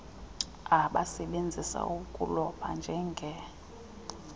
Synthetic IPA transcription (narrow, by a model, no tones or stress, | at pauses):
aɓasɛɓend͡zʱisa̰ukʼulɔɓʰand͡ʒʱɛŋɡʱɛ